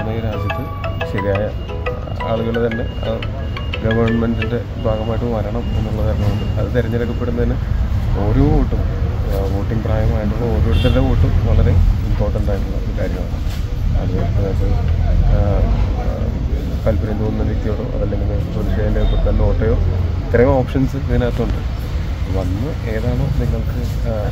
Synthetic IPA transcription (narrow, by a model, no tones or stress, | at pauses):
nːɐiɾaːd͡ʑjɐt̪ːɨ | ɕɐɾijaːjɐ | a̰ːɭuɣɐɭet̪ɐnːe̞̰ | ɡɐʋɐrɳmendilde | bʱaːɣɐmaːjiʈːɨʋɐɾɐɳɐmenːɐɭːɐkaːɾnːuuɳɖɨɐðɨt̪iɾɐɲːɐleɡɐpːe̞ɽunːɐðinːɨo̞ːɾoːʋoːʈːumʋoːʈːiŋɡpraːjɐmaːjiʈːuɭːɐoːɾoːeɽut̪ːɐɾðeʋoːʈːumʋɐɭɐɾe̞t̪o̞ːʈːuɳɖaːjiʈːuɭːɐ̰ikaːɾjɐma̰ːɳɨ | ɐ̰ðɨɐðetɐ | kɐlpɐɾɐjind̪oːnunːɐnit̪ːijoːɽoʔɐ̰ðɐlːe̞ŋɡilsoðiʂeːjindepːoɽt̪ɐnːeoːʈːɐjo̞ː | t̪irɐjumoːpʂɐnsɨiinaːt̪ːɐuɳɖɨ | ʋɐnːɨ | e̞ːðaːɳo̞ːniŋːɐɭkɨ